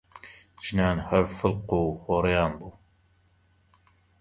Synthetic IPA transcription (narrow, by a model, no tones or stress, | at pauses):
ʒ̥naːnhɐɾfəlquːhoɾjaːnbuː